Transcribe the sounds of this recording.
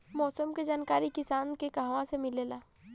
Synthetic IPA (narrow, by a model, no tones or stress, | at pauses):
mɔːsəmked͡ʒaːnkaːɾikɪsaːnkekaɦʋãsemɪleːlaː